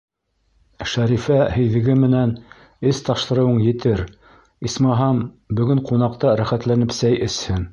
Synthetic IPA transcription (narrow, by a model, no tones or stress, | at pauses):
ʃæɾifæhɘ̆jðɘ̆ɡɘmɘ̆næn | ɘst̪ɑʃt̪ɤ̆ɾɤ̆wɤɴjɘ̆t̪ɘɾ | ismɑɦɑm | bɵ̆ɡɘɴqunɑqt̪ɑɾæχæt̪lænɘpsæjʔɘ̆shɘn